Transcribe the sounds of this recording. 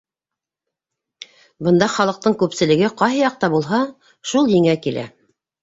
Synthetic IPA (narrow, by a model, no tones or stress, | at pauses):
bɤ̆nd̪ɑχɑlˠɤ̆q̚t̪ɤɴkʉpsɘ̆lɘ̆ɡɘqɑjɦɤjɑq̚t̪ɑbulˠɦɑ | ʃulˠjɘ̆ŋækilʔæ̰